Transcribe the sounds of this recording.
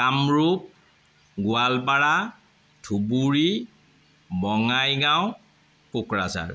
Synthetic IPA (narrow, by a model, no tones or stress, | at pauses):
kamɹup̚ | ɡʊalpaɹa | tʰubuɹi | bɔŋajɡaw̃ | kukɹaza̰ɹ